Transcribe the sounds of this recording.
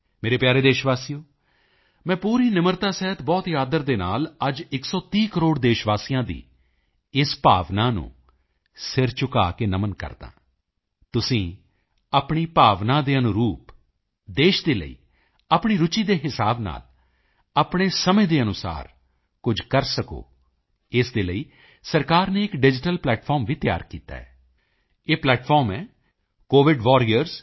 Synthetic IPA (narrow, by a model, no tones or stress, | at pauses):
meːɾeːpjaːɾeːd̪eːʃʋaːsijõː | mɛ̃ːpuːɾiːnɪməɾt̪aːsɛːɦət̪bɔːt̪jaːd̪əɾd̪eːna̰ːləd͡ʒɪksɔːt̪iːkəɾoːɽd̪eːʃʋaːsijãːd̪ḭː | ɪspaːʋnaːnṵ̃ː | sɪɾt͡ʃʊka̰ːkeːnəmənkə̰ɾd̪ã̰ː | t̪ʊsĩː | əpɳiːpaːʋnãːd̪eːənʊɾuːp | d̪eːʃd̪eːlə̰ḭː | apɳ̃iːɾʊt͡ʃiːd̪eːɦɪsaːbna̰ːl | aːpɳ̃eːsəmẽːd̪eːənʊsa̰ːɾ | kʊd͡ʒʱkəɾsəko̰ː | ɪsd̪eːləiː | səɾkaːɾneːɪkɖɪd͡ʒɪʈəlplɛːʈfʰɔːɾmʋiːt̪ɪja̰ːɾkiːt̪a̰ːɛː | eːplɛːʈfʰɔːɾmɛː | koːʋɪɖʋɔːɾiːəɾz